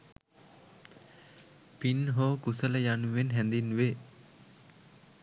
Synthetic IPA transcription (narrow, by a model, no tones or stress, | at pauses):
pinɦoːkusələjanuʋenɦɛnd̪inʋe